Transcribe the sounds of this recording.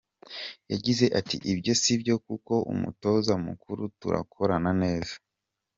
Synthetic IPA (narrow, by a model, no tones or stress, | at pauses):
jaɟize̞ʔatiʔibjo̞sibjo̞kuko̞ʔṵmṵto̞zamukuɾutṵɾa̰kʰo̞ɾanane̞ːzḁ